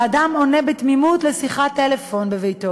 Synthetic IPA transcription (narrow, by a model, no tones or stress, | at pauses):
adamo̞nebet̪mimutlesiχat̪ːelefo̞nbevejto